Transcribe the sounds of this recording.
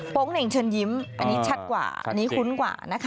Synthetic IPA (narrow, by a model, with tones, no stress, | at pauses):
po˦˥ŋne˨˩ŋt͡ɕʰɤː˧nji˦˥mʔa˧nːiː˦˥t͡ɕʰa˦˥t̪̚kwa̰ː˨˩ʔa̰˧nːiː˦˥kʰu˦˥nkwa̰ː˨˩na˦˥kʰ